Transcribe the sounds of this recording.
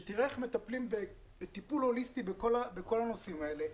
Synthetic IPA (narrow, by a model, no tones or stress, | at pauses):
t̪iʁeχme̞t̪aplimbe | t̪ipulho̞list̪ibekolabeko̞lano̞simae̞le̞